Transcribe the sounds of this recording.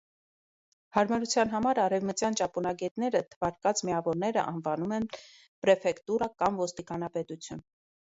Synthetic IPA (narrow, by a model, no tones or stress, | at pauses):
hɑɾmɑɾut͡sʰjɑnɦɑmɑɾɑɾɛvmət͡sjɑnt͡ʃɑpunɑɡɛt̪nɛɾət̪ʰəvɑɾkɑt͡smiɑvɔɾnɛɾə̰ʔɑ̰nvɑnumɛn | pɾɛfɛkt̪uɾɑkɑmvɔst̪ikɑnɑpɛt̪ut͡sʰjun